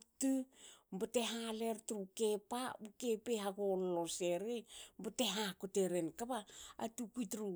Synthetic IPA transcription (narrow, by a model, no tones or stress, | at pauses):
tumbateɦaleɾtɾukepaukepeɦaɡolːoseɾejmbateɦakoteɾenkaβaa̰tukitɾu